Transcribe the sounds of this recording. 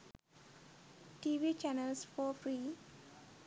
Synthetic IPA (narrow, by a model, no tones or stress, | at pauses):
ʈiːʋiːt͡ʃɛnəlsfɔːfɾiː